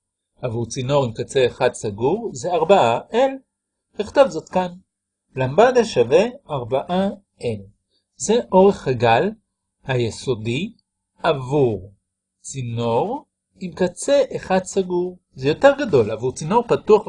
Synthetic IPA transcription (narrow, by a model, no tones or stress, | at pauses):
avuʁt͡sino̞ʁimkat͡se̞ːχad̪saɡuʁze̞aʁbaʔaʔel | hiχt̪ovzo̞t̪kan | lambad̪aʃave̞aʁbaʔa | el | ze̞ʔo̞ʁe̞χhaɡal | hajeso̞di | avuʁ | t͡sino̞ʁ | imkat͡se̞ʔeχad̪saɡuʁ | zejo̞te̞ʁɡado̞lavuʁt͡sino̞ʁpatuaχ